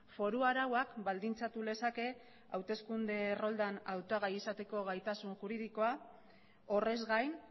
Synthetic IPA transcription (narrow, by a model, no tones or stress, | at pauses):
fo̞ɾuaɾawakbald̪int͡sat̪ule̞sake̞ | awt̪e̞skund̪e̞ro̞ld̪anawt̪aɣajisat̪e̞ko̞ɣajt̪asunxuɾiðiko̞a | ore̞zɣajn